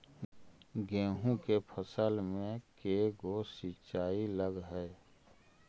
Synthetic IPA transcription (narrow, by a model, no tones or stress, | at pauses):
ɡẽːɦũkepʰəsəlmẽkeɡosit͡ʃaːiləɡɦɛː